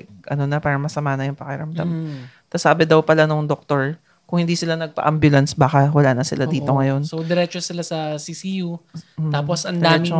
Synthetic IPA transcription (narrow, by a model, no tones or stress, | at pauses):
ɡʔɐ̰nonɐpaːɾɐŋmɐsɐmaːnɐjʊŋpɐkɪɾɐmd̪a̰m | t̪ɐsaːbɛd̪ɐwpɐlanoŋd̪ok̚t̪oɹ | kʊŋhɪnd̪iːsɪlanɐɡ̚pɐ̰ʔambjʊlɐnsbaːkɐwɐlaːnɐsɪ̰lʔad̪iːt̪oŋɐjo̞nsowd̪ɛɾɛt͡ʃosɪlasɐsisijuaːposʔɐnd̪aɛmɪt͡ʃo